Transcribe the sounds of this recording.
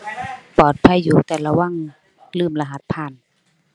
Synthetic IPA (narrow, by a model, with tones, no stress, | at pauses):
pɔː˨˩t̪̚pʰa˧˨jːuː˨˦t̪ɛː˨˩la˧wa˧˥˨ŋ | lɯː˥˩˨mla˧ɦa˧˦t̪̚pʰaː˧˥˨n